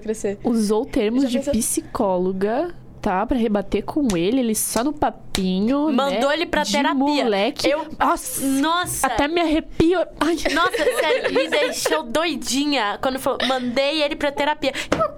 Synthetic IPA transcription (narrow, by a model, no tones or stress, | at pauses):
kɾeseuzowt̪eɾmʊzd͡ʒɪpisikɔloɡɐ | t̪apɾɐɦebat̪eɾkʰõw̃elɪelɪsɔnʊpapĩɲʊmɐ̃nowelɪpɾɐtd͡ʒ̪eɪɾamuiɐlɛkewɔsnɔsaɐt̪ɛmɪaɦepiajnɔsɐsɛlid̪ejʃowd̪ojd͡ʒĩɲɐkwɐ̃nd̪ʊfalowmɐ̃nd̪ejelɪpɾɐt̪eɾapiɐ